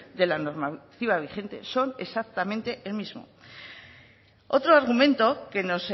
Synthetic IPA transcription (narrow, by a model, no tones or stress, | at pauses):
d̪e̞lano̞ɾmat̪iβ̞aβ̞ixe̞nt̪e̞so̞ne̞sak̚t̪amẽ̞nt̪e̞ʔelmizmo̞̰ | o̞t̪ɾoaɾɣ̞umẽ̞nt̪o̞ke̞no̞s